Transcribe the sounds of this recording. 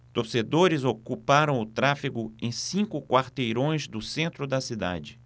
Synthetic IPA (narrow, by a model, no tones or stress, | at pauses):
t̪oɾsed̪oɾɪzokupaɾɐ̃w̃ʊt̪ɾafiɡʊẽj̃sĩŋkʊkwaɾt̪ejɾõj̃zd̪ʊsẽnt̪ɾʊd̪ɐsid̪a̰d͡ʒɪ